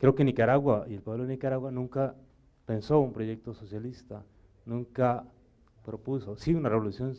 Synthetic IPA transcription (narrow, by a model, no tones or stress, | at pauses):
kɾeokenikaɾaɣwaielpweβlonikaɾawanũŋka | pensoumpɾojek̚t̪ososjalist̪a | nũŋka | pɾopusosiunareβolusjon